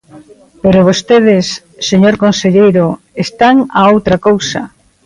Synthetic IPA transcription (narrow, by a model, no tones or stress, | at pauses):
peɾoβ̞ost̪eðɪsː | eɲoɾkonseʎejɾo | est̪aŋaowt̪ɾakowsɐ